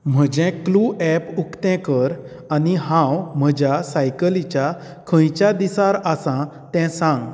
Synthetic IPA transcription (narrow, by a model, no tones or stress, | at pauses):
m̤əd͡ʑɛ̃kluʔɛpukt̪ɛ̃kəɾ | aniɦãwm̤əd͡ʑjasajkəlit͡ɕja | kʰə̃jt͡ɕjad̪isaɾasã | t̪ɛ̃sãŋɡ